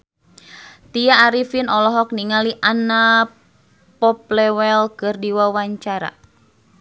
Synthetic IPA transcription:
t̪ijaːɾifinɔlɔɦɔk̚niŋaliʔana | pɔp̚lɛwɛlkɨrdiwawaɲt͡ʃaɾa̰

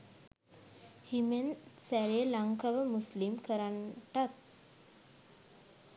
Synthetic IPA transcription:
himensæɾelaŋkaʋəmuslimkəɾanʈat̪̚

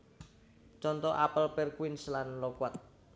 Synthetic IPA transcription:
t͡ʃɔnt̪ɔʔapəlpɛrkwinslanlɔkwat̪̚

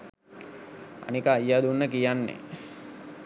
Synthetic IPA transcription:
a̰nikəːjːad̪unːəkijanːḛ

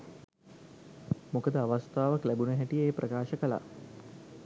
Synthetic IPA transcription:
mukəd̪əaʋast̪aːʋəklæbunəɦæʈijəeːprəkaːʃəkəla̰

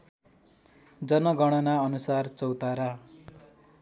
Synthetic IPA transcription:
d͡zʌnʌɡʌɽ̃ʌnaʌnusart͡sʌwt̪aɾa

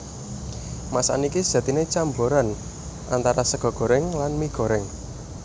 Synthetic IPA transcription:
masa̰niki̥ʒ̥a̤t̪inet͡ʃamboɾan | ʔant̪aɾasəɡ̥ɔ̤ɡ̥ɔ̤ɾɪŋlanmiɡ̥ɔ̤ɾɪŋ

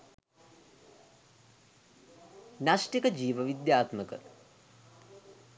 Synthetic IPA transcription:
nasʈikəd͡ʒiːʋəʋid̪jaːt̪məkə̰

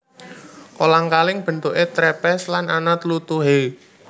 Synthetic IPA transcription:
kolaŋkalɪŋb̥ə̤nt̪uʔet̪ɾɛpɛslananat̪lut̪uɦe

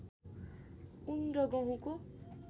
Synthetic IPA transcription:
unrʌɡʌ̃ɦũko

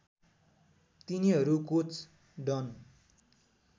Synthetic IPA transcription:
t̪iniɦʌɾukot͡s | ɖʌn

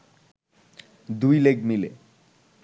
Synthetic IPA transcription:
d̪ujleɡmilḛ

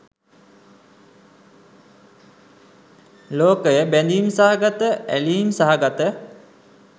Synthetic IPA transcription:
loːkəjəbænd̪imsaɦaɡat̪əæliːmsaɦaɡat̪ə

